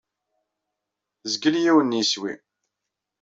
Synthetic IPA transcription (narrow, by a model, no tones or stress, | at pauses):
zɡəljiwənːiswḭ